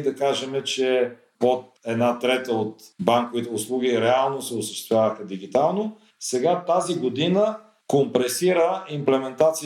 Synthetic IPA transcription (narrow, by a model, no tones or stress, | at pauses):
d̪ɐkaʒɛmɛt͡ʃɛ | ot̪̚ɛd̪nat̪ɾɛt̪əot̪baŋkovit̪ɛʊslˠuɡ̟ʲiɾɛalˠnosɛosəʃt̪ɛst̪ovʲjavəxəd̪iɡ̟it̪alˠno | sɛɡat̪aziɡod̪inə | kompɾɛsiɾəimplɛmɛnt̪at̪si